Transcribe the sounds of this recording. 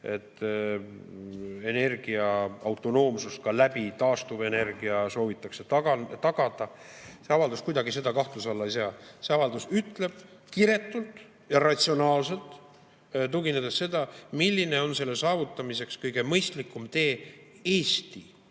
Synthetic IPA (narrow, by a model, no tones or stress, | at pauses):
e̞t̪ː | e̞ne̞rɡ̥iɑɑwt̪ːˑo̞no̞ːmsust̪̚kɑlæbit̪ɑːst̪ube̞ne̞rɡ̥iɑso̞ːvit̪ːˑɑkse̞t̪ɑɡt̪ɑɡ̥ɑd̪̥ɑ | se̞ɑvɑld̪uskujd̪ɑɡise̞d̪ɑkɑht̪lusɑlːɑejs̬ɑːse̞ɑvɑld̪usyt̪ːˑle̞b̥̚ | kiɾe̞t̪ːult̪ˑ | jɑɾɑt̪ʲsionɑːlse̞lt̪ˑ | t̪̬uɡined̪esːe̞d̪̥ɑmilʲːine̞o̞nse̞lːesɑːvut̪ːˑɑmise̞kskɤjɡ̥e̞mɤjst̪likːˑumt̪e̞ː | eːst̪i